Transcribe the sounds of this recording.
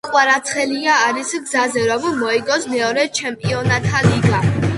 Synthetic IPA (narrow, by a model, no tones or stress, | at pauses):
qʼwaɾat̪sʰχɛliaːɾisɡzazɛɾɔmmɔiɡɔsmɛɔɾɛt͡ʃʰɛmpʼiɔnat̪ʰaliɡa